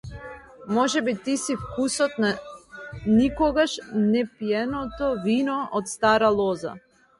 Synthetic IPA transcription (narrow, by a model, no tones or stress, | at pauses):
mɔʒɛbit̪isifkusɔt̪na | nikɔɡaʃnɛpijɛnɔt̪ɔvinɔʔɔt̪st̪aɾalˠɔza̰